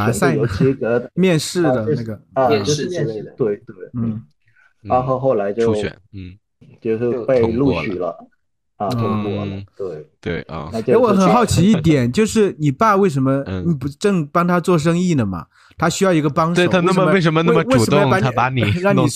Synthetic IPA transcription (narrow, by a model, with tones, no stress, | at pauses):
a˧˩sa˥jo˧˥ʊi˧˥kə˧˥mjɛ˥˧nʂɻ̩˥˩d̪ə˩n˥˧a˥˩ɡə˩˧t͡ɕ̩˧˥˧t̪we˥˩ɪt̪we˥˩ɪn̩˥˩ | a˥˧xo˥˧ʊxo˥˩ʊla˧˥ɪt͡ɕjo˥˩ʊ˥ɥɛ̰˨˩˦n̩˥˩ | t͡ɕjo˥˧ʊʂpe˥˧ɪlu˥˧˩ɕy˨˩lə̰˦ | ɐ˧t̪ʰo˥˧˥ɔ˥˧lt̪we˥˩ɪt̪wḛ˥˩ɪ̰˧˩na˥˧˩jo˥˧˥wɔ˨˧˥xə˨˩nxɑ˥˩ʊt͡ɕʰi˧˥i˥˩t̪̬jɛ˨˩˦nt͡ɕjo˥˧ʊʂɻ̩˥˩ni˨˩pa˥˧we˥˩ɪʂ̬ə˧˥nmə˧ni˨˩pu˧˦ʈ͡ʂɤ˥˩˧ŋpɑ˥ŋt̪ʰa˥t͡swɔ˥˩ʂ̬ɤ˥ŋi˥˩nə˩mɐ̰˩ | t̪ʰa˥ɕy˥jɑ˥˩ʊi˧˥ɡə˧pɑ˥ŋʂeo˧˩˨t̪ʰna˥ə˧˥we˥˩ɪʂ̬ə˧˥mə˧na˥mə˨˩˦wɪu˨˩ə˧˥m˧˥˨ŋpa˧˥nʰa˥a˧˥ni˨˩ɻɑ˥˩ŋ˧˨˩